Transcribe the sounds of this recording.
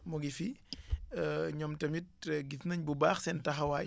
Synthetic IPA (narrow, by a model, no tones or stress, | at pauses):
mɔɡifi | ɲɔmtɐmit̚ːɛɡitnɐɲbubaːxsɛntɐxɐwaː